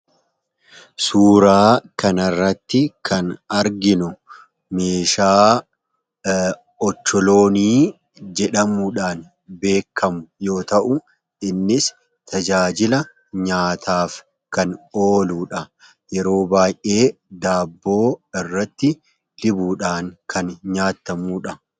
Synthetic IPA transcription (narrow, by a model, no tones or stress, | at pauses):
suːɾaːkɐnɐrːɐt̪ːɪkʰɐnɐɾɡɪnʊ | meːʃaː | ɔt͡ʃːɔlo̞ːniː | d͡ʒɛᶑɐmuᶑaːn | be̞ːkʰːɐmʊjo̞ːt̪ɐʔʊ | ɪnːɪs | t̪ʰɐd͡ʒaːd͡ʒɪlɐ | ɲaːt̪ʰaːf | kɐnoːluːᶑɐ | jɛɾo̞ːbaːjʔe̞ːd̪aːbːo̞ːɪrːɐt̪ːɪ | lɪbuːᶑaːŋkʰɐnɲaːt̪ːɐmuːᶑɐ